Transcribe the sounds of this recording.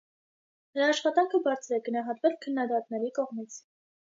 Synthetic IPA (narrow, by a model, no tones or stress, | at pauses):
nəɾɑːʃχɑt̪ɑŋkʰəbɑɾt͡sʰɾɛɡənɑɦɑt̪vɛlkʰənːɑd̪ɑt̪nɛɾikɔʁmit͡sʰ